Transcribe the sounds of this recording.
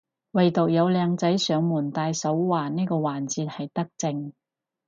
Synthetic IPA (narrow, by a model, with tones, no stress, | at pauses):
wɐ˨jt̪o˨k̚jɐ˨˧wlɛː˨˧ŋt͡sɐ˨˥jsœː˨˧ŋmuː˨˩nt̪aː˧jsɐ˨˥wwaː˨˩niː˥jkɔː˧waː˨˩nt͡siː˧t̚hɐ˨jt̪ɐ˥k̚t͡sɪ˧ŋ